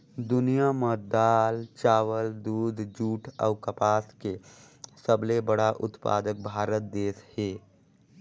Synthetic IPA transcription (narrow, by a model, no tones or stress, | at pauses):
d̪ʊnijamɔt̪̚d̪aːlt͡ʃaːwəld̪uːd̪d͡ʒuːʈʰɔ̰ʊkəpaːske | səblebəɽaʔʊt̪pa̰ːd̪ək̚bʱaːɾət̪̚d̪eːsheː